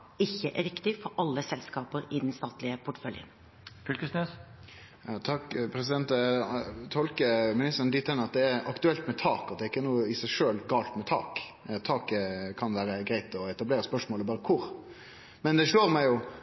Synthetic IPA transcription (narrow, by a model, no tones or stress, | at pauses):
ɪçːəʔæɾɪkt̪ɪfɔɾɑlːəsɛlskɑːpəɾɪd̪nst̪ɑːt̪lɪəpʰʊʈfœljə̰n | fʏlkəsnys | ɑt̪ʰɑkpʰɾɛs̬ɪd̪ɛnt̪ | t̪ʰɔlkəmɪnɪst̪əɾnd̪ɪt̪ʰːɛnːəɑt̪̚d̪ɛæɾɑkt̪ʉɛlt̪mɛt̪ʰɑːkɑt̪d̪ɛːɪkːənuːəɪsæɪʂøːlɡɑːlt̪mɛt̪ʰɑ̰ːk | t̪ʰɑːkkʰɑnʋæːɾəɡɾæɪt̪ɔɛt̪ɑbleːɾəspœʂmoːləbɑːɾəkʰʊɾ | mɛnd̪ɛʂɭoːɾmæɪjʊ